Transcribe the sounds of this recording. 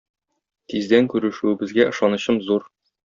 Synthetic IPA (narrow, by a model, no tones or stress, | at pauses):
t̪izd̪æŋkʉɾɘ̆ʃʉɘ̆bɘ̆zɡæʔɤ̆ʃɑnɤ̆ɕɤmzuɾ